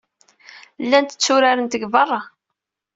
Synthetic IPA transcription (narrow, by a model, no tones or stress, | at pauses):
lːænt̪ə̥t͡sːʊɾaɾənt̪əɡvɑrˤːɑ